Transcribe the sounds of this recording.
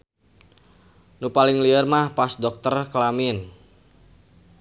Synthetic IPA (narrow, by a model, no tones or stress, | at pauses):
nupalɪŋliərmahpasdɔk̚t̪ərkəlamɪn